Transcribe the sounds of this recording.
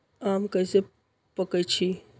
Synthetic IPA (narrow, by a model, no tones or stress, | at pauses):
aːmkɐjse | pəkəjt͡ʃʰi